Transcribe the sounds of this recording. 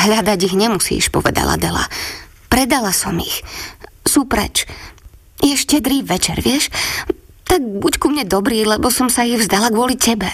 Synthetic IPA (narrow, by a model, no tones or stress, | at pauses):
ɦʎad̪aɟiɣɲɛmusḭːʃpɔ̰ʋɛ̰d̪a̰la̰d̪ɛla̰ | pɾɛd̪alasɔmixsuːpɾɛ̰t͡ʃ | jɛʃcɛd̪ɾiːʋɛt͡ʃɛɾʋɪɛʃ | t̪aɡ̚buckumɲɛd̪ɔbɾiːlɛbɔsɔmsaiɣvzd̪alaɡʊɔlicɛbɛ